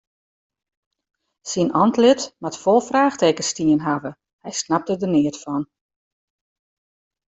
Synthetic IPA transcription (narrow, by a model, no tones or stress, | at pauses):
sinʔɔntlɪtmatfɔlˠfraːxteːkəstiənɦavə | hɛjsnap̚tədənɪətfɔn